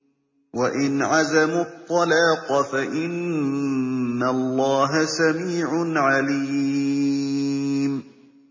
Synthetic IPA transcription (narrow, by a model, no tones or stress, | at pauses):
waʔɪnʕazamʊt̪ˤːɑlaːqɑfaʔɪn | alˤːɑːɦasamiːʕʊnʕaliː | m